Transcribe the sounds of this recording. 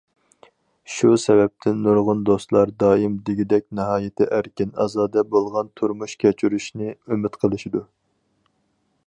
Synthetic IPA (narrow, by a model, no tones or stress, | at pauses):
ʃusɛvɛp̚t̪ʰɪnnuɾʁʊnd̪ost̪lˠɑɾd̪ɑːimd̪ɪɡʲid̪ɛkʲnɨɦɑːjɪt̪ʰɪʔæɾkʲinɑzɑːd̪ɛbolˠʁɑnt̪ʰuɾmuʃkʲʰɛt͡ʃʰyɾyʃnɪømɪt̪qʰəlˠɨʃid̪u